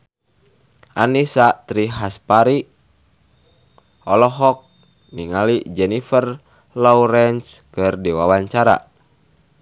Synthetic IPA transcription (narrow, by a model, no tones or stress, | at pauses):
ʔa̰nisat̪ɾiɦaspaɾi | ɔlɔɦɔk̚ | niŋalid͡ʒɛnifər | lɔuɾɛnskɨrdiwawaɲt͡ʃaɾa̰